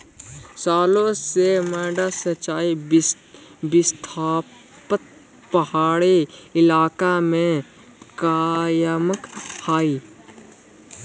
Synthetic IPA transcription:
saːlõseməːɖasət͡ʃːaːi | bɪst̪ʰaː | pət̪̚ | pəɦaːɽiɪlaːkamẽ | kaːjəməkhaːi

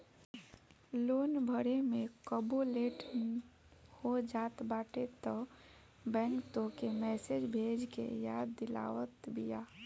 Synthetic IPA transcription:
loːnbʱəɾemẽkəboleʈ | hod͡ʒaːt̪baːʈet̪ə | bɛ̃ŋkt̪õkemɛːsed͡ʒbʱeːd͡ʒkḛjaːd̪ːɪla̰ːwət̪bija

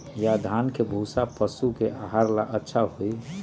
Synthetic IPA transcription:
jad̪ʱaːnkebʱuːsapəsukeʔaːɦaɾlaʔətːʃʰaɦoi

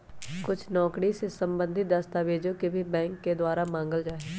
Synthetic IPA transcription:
kʊt͡ʃʰnɔːkɽisesəmbə̃nd̪ʱɪt̪̚d̪əst̪aːʋeːd͡ʒõːkibʱiːbɛ̃ːŋkːed̪waːɾaːmãːŋɡəld͡ʒaːe

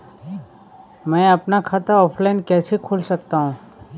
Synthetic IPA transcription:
mɛ̃ːɐpnakʰaːt̪aɔːpʰlaːɪnkɛːsekʰoːlsɐkt̪aɦũː

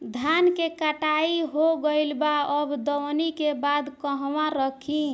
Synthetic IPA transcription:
d̪ʱjankekəʈaiɦoɡəɪlbaəbd̪əwnikebad̪kəɦʋãɾəkʰĩ

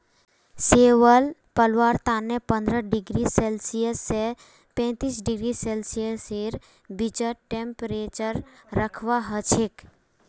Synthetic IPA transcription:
seʋəlpəlʋaɾt̪anːepə̃nd̪ɾəɖɪɡɾiselsijəsːe | pɛ̃t̪isɖɪɡɾiselsijəseɾ | bid͡ʒəʈempɾet͡ʃəɾːəkʰʋaɦət͡ʃʰek

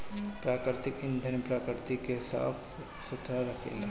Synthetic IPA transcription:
pɾaːkɾɪɾɪt̪ɪkɪnd̪ʱənpɾaːkɾɪɾt̪ikesa̰ːpʰ | sʊt̪ʰːaɾɐkʰḛːla

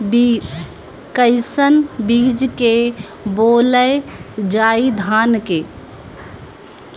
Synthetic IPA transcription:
kəɪsənbiːd͡ʒke | boːləjd͡ʒaːid̪ʱaːnkeː

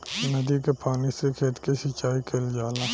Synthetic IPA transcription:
nɐd̪ikepʰaːnisekʰeːt̪keʃɪt͡ʃaːikʰeːld͡ʒaːlaː

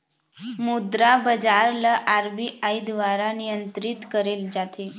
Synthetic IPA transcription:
mud̪ɾabəd͡zaɾləʔaɾbiʔaid̪ʋaɾanijənt̪ɾit̪kəɾeːld͡ʑat̪ʰe

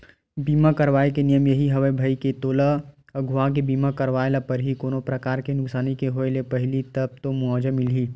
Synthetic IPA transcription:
biːmakɐɾʋaːekenijəmjɐɦiɦɐʋebʱɐiket̪oːla | ɡʱʊãk̬ebiːmakɐɾʋaːelapɐɾɦikoːnopɾɐkaːɾkenʊksaːnikeɦoːelepɐɦlit̪ɐb̚t̪omʊaːd͡ʒəmɪlɦiː

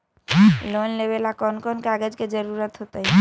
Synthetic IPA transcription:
lonlebelakɔnkɔnkaɡəd͡ʒked͡ʒəɾuɾət̪ɦot̪aɦi

